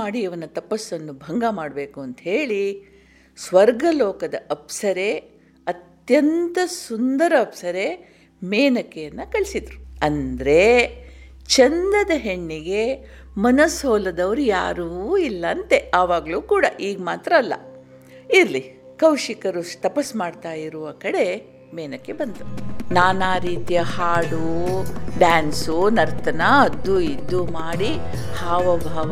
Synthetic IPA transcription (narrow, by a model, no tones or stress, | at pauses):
aːɽiɐʋɐnɐt̪ɐpɐsːɐnːubʱɐŋɡamaːɽbe̞ːkuɐnt̪ɐɦe̞ːɭi | sʋɐɾɡɐlɔːkɐd̪ɐʔɐpsɐɾe̞ | ɐt̪jɐnt̪ɐsund̪ɐɾɐːpsɐɾe | meːnɐkːejɐnːɐkɐɭisid̪ɾuɐnd̪ɐɾe̞ | t͡ʃɐnd̪ɐd̪ɐɦeɳːiɡe̞ | mɐnɐsoːlɐd̪ɐʋɐɾuja̰ːɾuːilːɐːnt̪eɐʋaːɡɐɭuːkuːɽɐʔiːɡmaːt̪ɾɐːlːɐ̰ | iɾli | kɐwʂikɐɾust̪ɐpɐsmaːɖt̪aːjiɾuʋɐkɐɽe̞ | mɛːnɐkːe̞bɐnd̪unaːnaːɾiːt̪ijɐhaːɽu | ɖaːnsunɐɾt̪ɐnaɐd̪ːuid̪ːumaːɽi | haːʋɐbʱaːʋɐ